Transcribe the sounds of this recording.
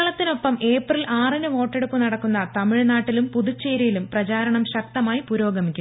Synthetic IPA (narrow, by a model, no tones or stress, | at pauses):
ɭɐt̪ːino̞pːɐme̞ːprilaːrinɨʋo̞ːʈːe̞ɽupːunɐɽɐkːunːɐt̪ɐmiɻnaːʈːilumpuðut͡ɕːeːɾijilumprɐt͡ɕaːɾɐɳɐmɕɐk̚t̪ɐmaːjipuɾo̞ːɡɐmikʲːu